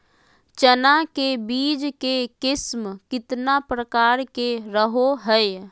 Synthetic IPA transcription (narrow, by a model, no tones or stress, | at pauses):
t͡ʃənakebiːd͡ʒkekɪsmkɪt̪napɾəkaːɾkeɾəɦoɦəj